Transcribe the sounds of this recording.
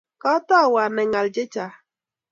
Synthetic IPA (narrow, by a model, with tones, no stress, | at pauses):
kɔ˦tɔ˦˨wa˨nɛ˨ŋa˨ld͡ʒe˦t͡ʃa˨